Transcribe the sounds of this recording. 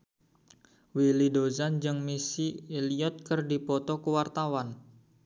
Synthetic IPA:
wilidozand͡ʒɨŋmisiːliɔt̪̚kərdipɔt̪ɔkəwart̪awan

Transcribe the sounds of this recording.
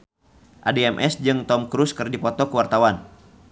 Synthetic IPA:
ʔa̰diɛmʔɛsd͡ʒɨŋt̪ɔmkɾuskɨrdipɔt̪ɔkəwart̪awan

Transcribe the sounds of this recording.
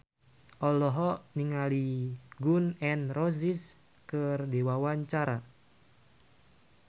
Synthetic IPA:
ʔɔlɔɦɔniŋaliɡunɛnrozis | kərdewawaɲt͡ʃaɾa

